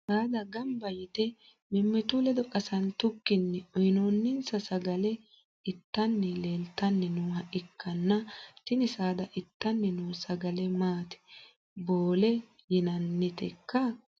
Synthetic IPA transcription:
saːd̪ɐɡɐmbɐjɪt̪ɛ | mɪmːɛt̪ʊlɛd̪ɔkʼɐsɐnt̪ʊkːɪnːɛɔjnoːnːɪnsɐsɐɡɐlɛ | ɪt̪ːɐnːɛle̞ːlt̪ːɐnːɛnuːhɐʔɪkːɐnːɐt̪ɪnɪsaːd̪ɐʔɪt̪ːɐnːɛnuːsɐɡɐlɛmaːt̪ɛ̥ | boːlɛ | jɪnɐnːɪt̪ɛ̰kːɐ

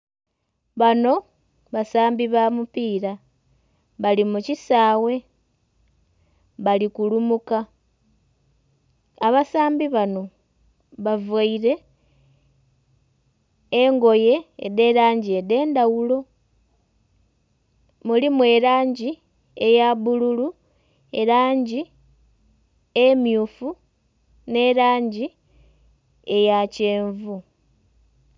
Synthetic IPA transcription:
βano̞ | βasaːmbiβamupiːɾa | βalimucisaːwe̞ | βalikulumuka | βasaːmbiβano̞ | βavaiɾe̞ | ŋɡo̞je̞̰ːðe̞ɾaːɲɟie̞de̞ːndawulo̞ | mulimwe̞ɾaːɲɟi | ejaβululu | e̞ɾaːɲɟi | emjufu | ne̞ɾaːɲɟi | ejaceːɱvu

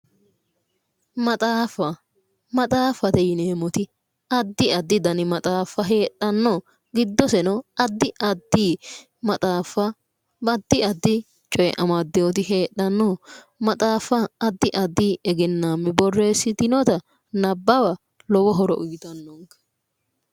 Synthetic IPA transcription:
mɐt̪ʼaːfɐ | mɐt̪ʼaːfɐt̪ɛjɪneːmɔt̪ɪ | ɐd̪ːɪɐd̪ːɪd̪ɐnɪmɐt̪ʼaːfːɐɦe̞ːɗːɐnːɔ | ɡɪd̪ːɔsɛnɔɐd̪ːɪʔɐd̪ːi | mɐt̪ʼaːfɐ | bɐd̪ːɪɐd̪ːɪ | t͡ʃʼɔjɛ̰ʔɐmɐd̪ːɛwɔt̪ɪɦe̞ːɗːɐnːɔ | mɐt̪ʼaːfɐɐd̪ːɪʔɐd̪ːɪɛɡɛnːaːmːɛbɔrːe̞ːsːɪt̪ɪnɔt̪ɐ | nɐbːɐbɐ | lɔwɔɦɔɾɔ̰ʔʊɡɪt̪ɐnːɔŋkɐ̥

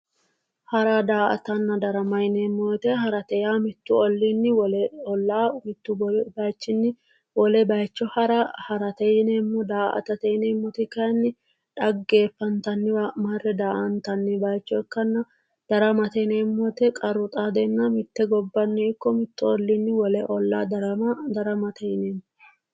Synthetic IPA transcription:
hɐɾad̪aːʔɐ̰t̪ɐnːɐd̪ɐɾɐmɐjnemːɔːt̪ɛɦɐɾɐt̪ɛjaːmɪt̪ːʊɔlːinːɪwɔlɛɔlːaːmɪt̪ːʊbbɐjt͡ʃːɪnːɪ | wɔlɛbɐjt͡ʃːɔhɐɾɐhɐɾɐt̪ɛjneːmːɔd̪aːʔɐ̰t̪ɐt̪ɛjnɛːmːɔt̪ɪkɐjnːɪ | ᶑɐɡːe̞ːfːɐnt̪ɐnːɪmɐrɛd̪aːʔɐnt̪ɐnːɪbɐjt͡ʃːɔɪkːɐnːɐ | d̪̥ɐɾɐmɐt̪ɛnɛmːɔt̪ɛkʼɐɾʊt̪ʼad̪ɛnːɐmɪt̪ːɛɡɔbːɐnːɪɪkːɔmɪt̪ːʊɔlːinːɪwɔlɛʔɔlːa̰ːd̪ɐɾɐmɐd̪ɐɾɐmɐt̪ɛjɪneːmː

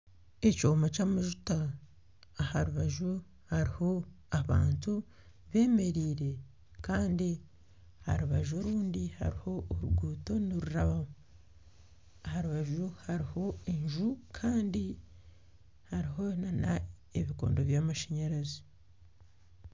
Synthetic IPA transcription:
e̞coːmat͡ʃaːmaʒutaː | haɾuβaʒu | haɾiho̞ | aβa̰ːntu | βe̞ːme̞ɾiːɾe̞ | kaːndi | ha̰ɾuβaʒo̞ɾuːndiha̰ɾiho̞ːɾuɡuːto̞niɾuɾaβam | ahaɾuβaʒuhaɾiho̞eɲʒukʰaːndi | haɾiɦo̞nana | eβiko̞̰ːndo̞βjaːmaʃaɲaɾazi̥

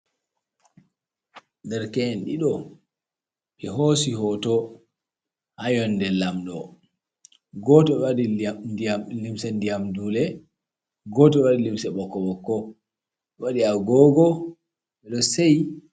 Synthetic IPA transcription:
dɛɾkɛnɗiɗɔ | ɓɛɦoːsiɦɔtɔ | hajɔnːdɛlamɗɔ | ɡɔtɔɛwadialimsɛndijamduːlɛ | ɡɔtɔɛwaɗilimsɛɓɔkːɔɓɔkːɔ | ɓɛwaɗiaɡɔɡɔ | ɓɛɗɔsej

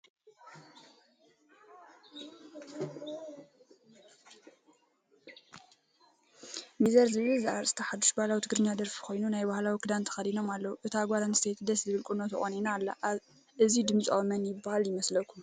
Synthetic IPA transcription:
mizɐɾzɨβɨlzʔaɾsɨ̥t̪ʰɐħad̪ːuʃbahlawit̪ʰɨɡɾɨɲːad̪ɐɾfi̥kʰo̞jnunajbahlawikʰɨd̪ant̪ʰɐ̥xɐd̪ino̞malːɐwuʔɨt̪ʰaɡʷaɾanst̪ʰet̪ʰd̪ɐszɨβɨlkʼɨnot̪ʰɐχʼoninaːlːaʔ | ʔɨzid̪ɨmsʼowmɐnjɪbːahaljɪmɐslɐkʰːum

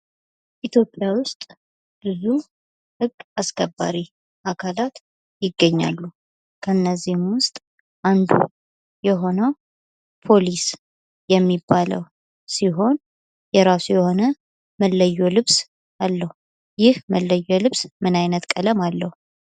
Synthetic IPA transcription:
ʔit̪ʰjo̞pʼjawʊst̪ʼ | b̥ɨzu | hɨɡːaskʰəbːa̰ɾi | ʔakʰalat̪ | jɪɡːəɲːa̰lːu | kʰənːəzːihmwʊst̪ʼ | ʔand̪ṵ | jɛɦo̞nəw | pʰo̞lis | jɛmːibːalə̰w | siɦo̞n | jɛɾasujɛho̞nə | məlːəjːolɨβs | alːəhu | jɪhməlːəjːɛlɨβsmɨnajnət̪kʼələmalːəhu

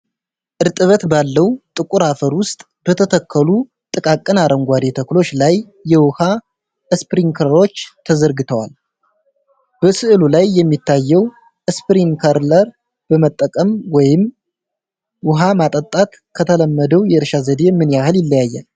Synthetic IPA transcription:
ʔɨɾt̪ʼɨβət̪balːəwt̪ʼɨkʼuɾafəɾwʊst̪ʼ | b̥ət̪ʰət̪ʰəkʰːəlu | t̪ʼɨkʼakʼːɨnaɾʔəŋɡʷad̪e̞t̪ʰəklo̞t͡ʃːlajː | ɛwʊha | ʔɨspɨɾiŋkʰəɾɾo̞t͡ʃːt̪ʰəzəɾɡɨt̪ʰəwa̰l | b̥əsɨʔɨlulajːɛmːit̪ːajːɛw | ʔɨspɨɾiŋkʰəɾləɾ | b̥əmət̪ʼːəkʼəmwɔjɪm | wʊɦamat̪ʼət̪ʼːat̪ | kʰət̪ʰələmːəd̪əwjɛɨɾʃazəd̪e̞mɨnjahɨljɪlːəjajːa̰l

